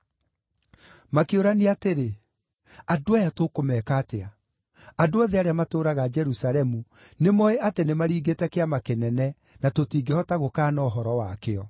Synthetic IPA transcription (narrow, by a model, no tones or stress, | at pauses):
makeoɾaneateɾe | adoajatokomɛːkaːtea | adoɔðɛaɾeamatoːɾaɣad͡ʒɛɾusaɾɛmu | nemɔeʔatenemaɾiːɡetɛkeamakenɛnɛ | natotiːɡehɔtaɣokaːnɔɦɔɾɔwakeɔ